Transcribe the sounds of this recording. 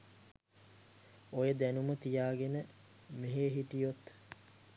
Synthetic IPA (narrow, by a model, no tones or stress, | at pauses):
ojəd̪ænumət̪ijaːɡenə | meɦeːɦiʈijot̪